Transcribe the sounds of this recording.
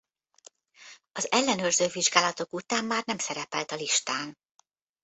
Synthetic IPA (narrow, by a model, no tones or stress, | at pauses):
ɒzɛlːɛnøːrzøːviʒɡaːlɒt̪okut̪aːmːaːrnɛmsɛɾɛpɛlt̪ɒliʃt̪aːn